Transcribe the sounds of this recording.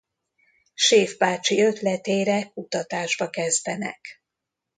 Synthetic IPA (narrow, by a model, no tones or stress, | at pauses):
ʃeːvbaːt͡ʃiøt̪lɛt̪eːɾɛkut̪ɒt̪aːʒbɒkɛzd̪ɛnɛ̰k